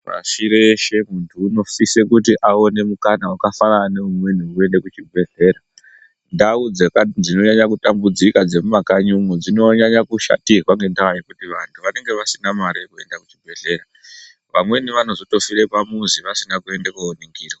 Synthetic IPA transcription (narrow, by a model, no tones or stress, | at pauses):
ʋa̰ʃiɾeʃe̞muntʰuːno̞fise̞kutiʔao̞ne̞mukanaukafanane̞umwe̞niue̞nde̞kut͡ʃibʱe̞ɮe̞ːɾa | ndaud͡zekad͡zino̞ɲaɲakutambud͡zikad͡ze̞mumakaɲumud͡zino̞ɲaɲakuʃa̰tirwaŋɡe̞ndawaje̞kutiʋantʰuʋane̞ŋɡe̞ʋasinamaɾijekue̞ndakut͡ʃibʱe̞ɮe̞ːɾa | ʋamwe̞niʋano̞zoto̞fiɾe̞pamuziʋasinakue̞ndekuoniŋɡiːro